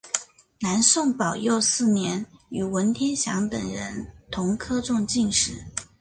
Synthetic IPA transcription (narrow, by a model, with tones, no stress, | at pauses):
na˧˥nsʊ˥˩ŋpɑ˨˩ʊjo˥˧ʊsɹ̩˥˩njɛ˧˥ny˨˩wə˧˥nt̪ʰjɛ˥nɕjɑ˧˥ŋt̪ə̰˨˩ŋɻə˧˥nt̪ʰʊ˧˥ŋkʰɤ˥ʈ͡ʂʊ˥˧ŋt͡ɕi˥˧ŋʂɻ̩˥˩